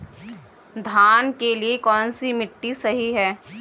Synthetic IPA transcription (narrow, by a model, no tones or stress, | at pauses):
d̪ʱaːnkeliekɔːnsimɪʈːisɐɦiɦɛː